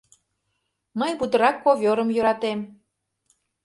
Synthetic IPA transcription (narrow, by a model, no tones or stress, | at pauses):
məjbud̪ə̆ɾɑkːovʲoɾəmjø̆ɾɑt̪em